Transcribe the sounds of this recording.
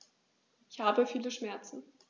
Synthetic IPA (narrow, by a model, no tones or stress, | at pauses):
ʔɪçhaːbəfiːləʃmɛɐt͡sn̩